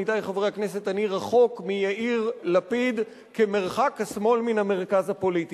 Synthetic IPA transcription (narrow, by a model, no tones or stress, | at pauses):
it̪ajχavʁejaknes̬e̞t̪aniʁaχo̞kmijaʔiʁlapid̪ | keme̞ʁχakhasmo̞lminhame̞ʁkazapo̞liti